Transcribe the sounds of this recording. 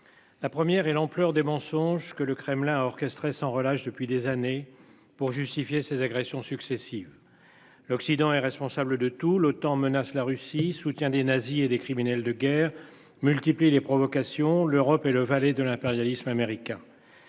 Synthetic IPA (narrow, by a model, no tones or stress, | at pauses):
lapχəmjɛʁɛlɑ̃plœʁd̪emɑ̃sɔ̃ʒkələkχɛmlɛ̃ɔʁkɛst̪χesɑ̃ʁəlaʃd̪əpɥid̪ezane | puʁʒyst̪ifjesezaɡʁɛsjɔ̃syksesiv | lɔksid̪ɑ̃ɛʁɛspɔ̃sabləd̪ət̪ulot̪ɑ̃mənaslaʁysisut̪jɛ̃d̪enazied̪ekχiminɛld̪əɡʲɛːʁ | mylt̪iplilepχɔvɔkasjɔ̃løʁɔpɛləvalɛd̪əlɛ̃peʁjalismameʁikʲɛ̃